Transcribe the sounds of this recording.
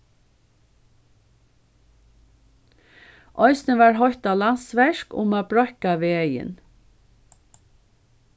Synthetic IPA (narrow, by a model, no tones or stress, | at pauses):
ʔœʏsnəʋɑːɹhɔt̪ɑːlɑnsʋæʃkʊ̰mɑːbɹœkɑʋeːœɪə̰n